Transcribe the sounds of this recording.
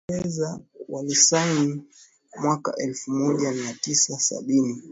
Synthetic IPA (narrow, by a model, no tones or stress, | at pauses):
ɛzawalisani | mwaka̰ʔɛlfumɔʄamiatisasa̰ɓini